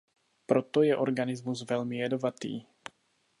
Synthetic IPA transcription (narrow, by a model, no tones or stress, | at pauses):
pɾot̪ojɛʔoɾɡanɪzmusvɛlmɪjɛdovat̪ḭː